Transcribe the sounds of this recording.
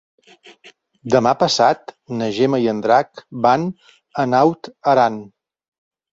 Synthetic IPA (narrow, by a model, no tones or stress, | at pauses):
d̪əmapəsat̪nəʒeməiənd̪ɾakban | ənawt̪əɾan